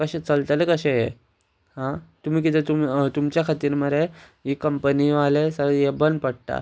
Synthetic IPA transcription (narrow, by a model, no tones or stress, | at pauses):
kəɕet͡səlt̪əlekəɕeje | ɦãt̪um̤iːk̬it̪et̪umt̪umt͡ɕjakʰat̪iːɾməɾe | ɦikəmpəniʋalesəjebənpəɽ̚ʈ̪a̰